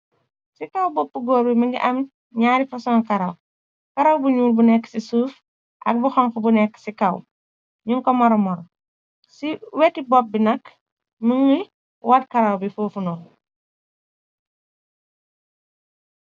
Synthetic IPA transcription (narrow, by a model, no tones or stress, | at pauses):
sikawbɔpːuɡoːɾbiməŋɡiʔɐm | ɲaːɾifɐsɔŋkaɾaw | kaɾawbuɲuːlbunɛkːsisuːf | ʔɐ̰k̚buxɔŋkubunɛkːsika̰w | ɲuŋkɔmaɾɔmɔɾ | siwetibɔp̚binɐk | məŋi | wat̚kaɾawbifoːfunɔl